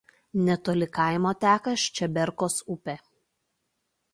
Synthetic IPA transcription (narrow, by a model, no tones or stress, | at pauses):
nʲɛt̪oːlʲɪkɐˑɪmoːt̪ʲæːkɐʃʲt͡ʃʲɛbʲɛɾkoːsʊpʲe